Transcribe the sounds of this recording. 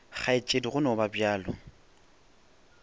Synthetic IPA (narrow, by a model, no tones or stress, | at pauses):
χʰaɪt͡ʃʼediɣʊnɔbabjaːlɔ̰